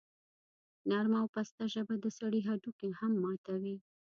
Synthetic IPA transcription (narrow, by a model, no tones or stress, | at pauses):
naɾmawpast̪aʒəbad̪əsaɽiɦaɖukehamːɑt̪awi